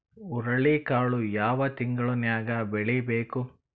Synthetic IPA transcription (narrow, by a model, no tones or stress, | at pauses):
uɾɐɭikaːɭujaːʋɐt̪iŋɡɐɭunjaːɡɐbeɭibeːku